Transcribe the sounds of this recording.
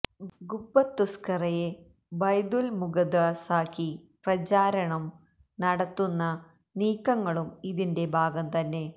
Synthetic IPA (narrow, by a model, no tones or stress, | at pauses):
ɡubːɐt̪ːuskɐrɐje | bɐjd̪ulmuɡɐd̪asaːkiprɐt͡ɕaːɾɐɳɐm | nɐɽɐt̪ːunːɐ | niːkːɐŋːɐɭumiðinde̞bʱaːɡɐmt̪ɐnːe̞